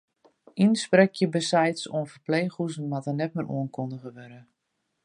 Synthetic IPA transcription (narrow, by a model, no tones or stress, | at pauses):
insprɛkʰjəbəsɛjtsoənfərplejxuzn̩matənɛtmɪɾʔṵənkʰondəɣəʋøɾə